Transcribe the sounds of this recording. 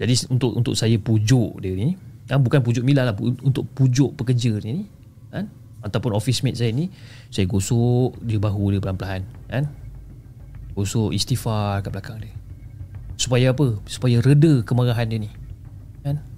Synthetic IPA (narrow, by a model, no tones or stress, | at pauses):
d͡ʒadiunt̪ʊʔṵnt̪ʊ̰ʔsajapud͡ʒʊʔdiəniniabukanp̬ud͡ʒʊʔmilahlahunt̪ʊʔpud͡ʒʊʔpəkəd͡ʒənini | kan | at̪awpʊnɔfismet̪̚sajəni | sajaɡosʊʔdiəbaɦudiəpəlampəlaɦankan | ɡosʊʔist̪ifarkaʔbəlakaŋdiə | su̥pajaapəsu̥pajaɾədəkəməɣaɦandiəni | kan